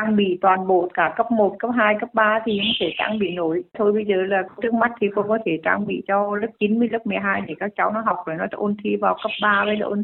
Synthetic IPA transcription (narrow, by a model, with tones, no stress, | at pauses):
a˧ŋɓḭ˧˨t̪waː˨˩nɓo̰˧˨kaː˧˩kə˦˥p̚mo˨˩t̚kə˦˥p̚ɦaː˧jkə˦˥p̚ɓaː˧t̪ʰi˨˩˨t̪ʰe˧˩t͡ɕa̰ː˧ŋɓḭ˧˨no˧˩jt̪ʰo˧jɓə˧jzəː˨˩laː˨˩˧t͡ɕɨ˦˥ək̚ma˦˥t̟̚t̪ʰi˨˩kɔ̰˧˦kɔ˨˦t̪ʰe˧˩t͡ɕa̰ː˧ŋɓḭ˧˨t͡ɕɔ˧lɨ˦˥p̚t͡ɕi˨˦nmɨ˧əjlɨ˦˥k̚mɨ˨˩əjɦaː˧jɗe˨˩kaː˦˥k̚t͡ɕa˨˦wnɔ˨˦ɦa˨˩wk͡p̚vo˨˩jnɔ˨˦˧ʔo˧nt̪ʰi˧vaː˨˩wkə˦˥p̚ɓaː˧və˨˦jla̰˨˩ʔo˧n˦